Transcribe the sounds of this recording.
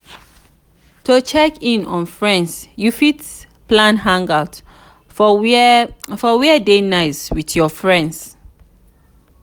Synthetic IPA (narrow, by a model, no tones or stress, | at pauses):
tʰot͡ʃʰɛkĩnɔ̰̃nfɹɛ̃ndsjufit | plãnɦãŋɡaʊt | fɔwɛdenaɪswiθjɔfɹɛ̃nds